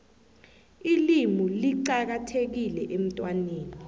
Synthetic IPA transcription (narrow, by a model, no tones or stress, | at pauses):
ilimuliǃak̬atʰek̬ilɛʔem̩tʼwaniːkɔ